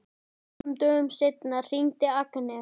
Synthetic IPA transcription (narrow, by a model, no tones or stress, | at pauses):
mt̪œʏmsɪt̪nar̥iŋt̪ɪaknɛ